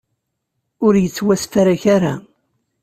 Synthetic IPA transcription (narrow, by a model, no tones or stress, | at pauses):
ʊɾjət͡sːwæsfaɾaçaɾa